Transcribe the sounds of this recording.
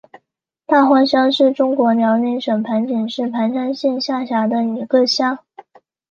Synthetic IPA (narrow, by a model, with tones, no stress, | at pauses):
t̪a˥˩xwa˥nɕjɑ˥ŋʂɻ̩˥˩ʈ͡ʂʊ˥ŋkwɔ˧˥njɑ˧˥ʊni˧˥nʂə˨˩ŋpʰa˧˥nt͡ɕi˨˩nʂɻ̩˥˩pʰa˧˥nʂa˥nɕi˥˧nɕja˥˩ɕja˧˥d̪ə˧i˧˨˩ɡə˥˧ɕjɑ˥ŋ